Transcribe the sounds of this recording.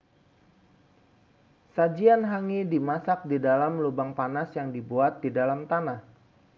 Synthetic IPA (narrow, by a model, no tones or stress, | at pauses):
sad͡ʒianɦaŋidimasak̚didalamlubaŋpanasjaŋdibuat̪̚didalamt̪anah